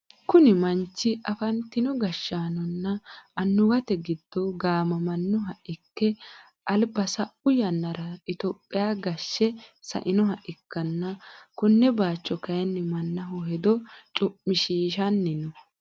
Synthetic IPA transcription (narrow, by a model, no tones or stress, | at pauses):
kʊnɪmɐnt͡ʃːɪʔɐfɐnt̪ɪnɔɡɐʃːaːnɔnːɐʔɐnːʊɡɐt̪ɛɡɪd̪̥ːɔɡaːmɐmɐnːʊɦɐʔɪkːɛ | ʔɐlbɐsɐʔʊjɐnːɐɾɐɪt̪opʼːɪjaːɡɐʃːɛsɐ̰ʔɪnɔɦɐʔɪkːɐnːɐkʊnːɛbaːt͡ʃːɔkɐjɐnːɪmɐnːɐɦɔhɛd̪ɔt͡ʃʼʊpmːɪʃiːʃɐnːɪnɔ